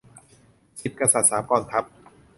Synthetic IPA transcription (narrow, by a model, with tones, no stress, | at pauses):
si˨˩t̪̚ka˧sa˨˩t̪̚saː˩˦mkɔː˧˩nkʰɾa˦˥p̚